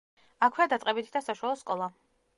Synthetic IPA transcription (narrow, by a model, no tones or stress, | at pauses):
akʰwiad̪at̪sqʼɛbit̪ʰd̪asaʃwalˠɔskʼɔlˠa